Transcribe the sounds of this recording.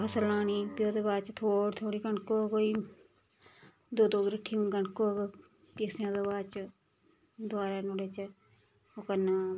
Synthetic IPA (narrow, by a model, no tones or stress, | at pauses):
pʰəsəlaːniːpjoːd̪ebaːt͡ʃt̪ʰoːɽt̪ʰoːɽiːɡəɳkoːkoːiː | d̪oːd̪oːɡɾiʈʰimɡəɳkoːk | pisãːd̪obaːt͡ʃ | d̪ʊaːɾaːnoɽeːt͡ʃ | okənaː